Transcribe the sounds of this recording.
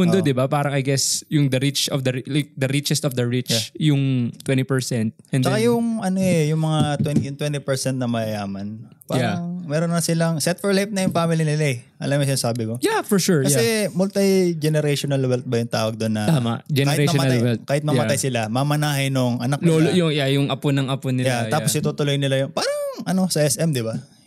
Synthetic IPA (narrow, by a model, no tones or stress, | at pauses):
mʊnd̪od̪ɪbapaːɾɐŋɐjɡɛsjʊŋd̪ɐɾit͡ʃɔvd̪ɐɾlajk̚d̪ɐɾit͡ʃɛst̪ɔvd̪ɐɹit͡ʃjʊŋt̪wɛnt̪ɪpɛɹsɛnt̪̚ʔɛ̃ndt͡ʃɐkajʊŋɐnoɛjʊŋmɐŋat̪wɛnt̪jʊŋt̪wɛnt̪ipɛɹsɛnt̪nɐmɐjɐjaːmɐnpajːɾɐŋmɛːɾonɐsɪlɐŋsɛt̪̚fɔɹlejp̚nɐjʊŋpaːmɪlinɪlaɛʔɐ̰lamjɐsɪnsaːbɪko̞jafɔɹʃuɹkɐjsɛmʊlt̪id͡ʒɛnɛɾeʃonɐlwɛlt̪̚bɐjʊŋt̪aːwɐɡ̚d̪onːɐama̰d͡ʒɛkaːhɪmɐmɐajɛkaːhɪt̪̚mɐjmɐajsɪlamɐmɐnaːɦɐjnoŋʔɐnɐklolojʊŋjajʊŋʔɐponɐŋɐponːɪjatj̪aːposɪt̪ut̪ʊlojnɪlajʊŋpaːɾɐŋʔɐno̞sɐʔɛsʔɛmd̪ɪba